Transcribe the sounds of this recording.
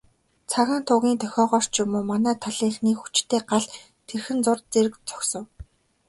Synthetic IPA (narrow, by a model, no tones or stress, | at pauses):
t͡sʰaɣaːn̥t̪ʰʊɣʲiːnt̪ʰœxʲɔːʁɔr̥t͡ɕjʊmoːmanæːt̪ʰaɮiːxniːkxut͡ɕt̪ʰeːɢaɮ | t̪ʰerxɘ̆nt͡sʊrt͡seɾɘ̆kt͡sʰɔ̥ksɞ̆w